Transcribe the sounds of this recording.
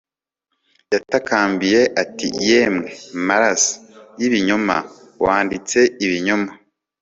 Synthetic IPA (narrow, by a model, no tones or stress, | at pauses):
jatakaːmbije̞ʔatḭjeːmŋe̞maɾasḁjiβiɲo̞ma̰ | waːndit͡se̞iβiɲoma